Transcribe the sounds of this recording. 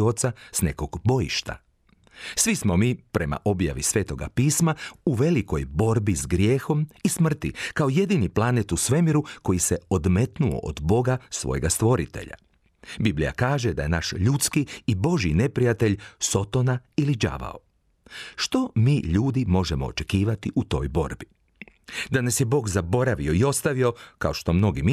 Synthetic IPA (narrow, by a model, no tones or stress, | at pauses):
ot̪sasne̞̰ko̞ɡbo̞jḭʃt̪a̰ | sʋismo̞miːpɾe̞ma̰ʔo̞bja̰ʋisʋe̞ːt̪o̞ɡa̰piːsmauʋe̞liko̞jbo̞ɾbizɡɾje̞ːxo̞mismr̩t̪ikao̞je̞d̪iniplˠanet̪usʋe̞miɾuko̞jiseod̪me̞t̪nuo̞̰ʔo̰d̪bo̞ɡasʋo̞̰jḛɡast̪ʋo̞ɾḭt̪e̞̰ʎa̰ | biblḭja̰kaːʒe̞d̪aje̞naʃʎut̪skiːbo̞ʒine̞pɾijat̪e̞ʎso̞t̪onailid͡ʒa̰ʋa̰o | ʃt̪o̞miːʎuːd̪imo̞ʒemo̞̰o̰t͡ʃekiːʋat̪iʔut̪o̞̰jbo̞̰ɾbi | d̪anesjebo̞ːɡzabo̞ɾaʋioio̞st̪aʋio̞ka̰oʃt̪o̞mno̞ɡim